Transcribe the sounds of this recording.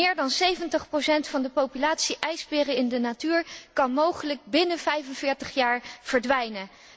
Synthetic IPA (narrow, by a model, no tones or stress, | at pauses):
ɪːɹdɑnsejvəntəχprowsɛntfɑndəpowpylaːtsiʔɛjzbɪːrəɪndənatyːɹkɑnmowχələɡ̚bɪnəvɛjfənvɪːɹtəχjaːɹv̥əɹdʋɛjnə